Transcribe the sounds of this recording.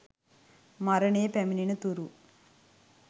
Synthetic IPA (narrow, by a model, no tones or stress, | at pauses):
mɐɾɐɳeːpemininut̪uɾu